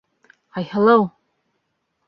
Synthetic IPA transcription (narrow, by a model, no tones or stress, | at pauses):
ajhɛlow